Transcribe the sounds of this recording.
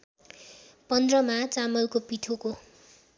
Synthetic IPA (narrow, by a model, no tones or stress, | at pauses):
pʌnd̪rʌmat͡samʌlkopit̪ʰoko